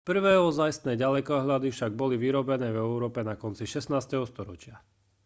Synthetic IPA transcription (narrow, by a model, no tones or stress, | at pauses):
pr̩ʋɛːɦɔzajst̪nɛːɟalɛkɔɦʎad̪ifʃaɡ̚bɔliʋiɾɔbɛnɛːvɛuɾɔːpɛnakɔnt͡siʃɛsnaːst̪ɛɦɔst̪ɔɾɔt͡ʃɪa